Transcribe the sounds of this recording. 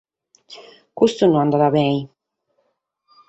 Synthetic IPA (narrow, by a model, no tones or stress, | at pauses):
kust̪unuand̪aɾaβɛj